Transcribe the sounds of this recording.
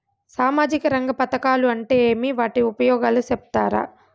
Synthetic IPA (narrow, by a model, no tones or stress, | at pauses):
saːmaːd͡ʒikɐɾɐŋɡɐpɐt̪ɐkaːluɐɳʈeːeːmiʋaːʈiupɐjɔːɡaːlusɛp̚t̪a̰ːɾa̰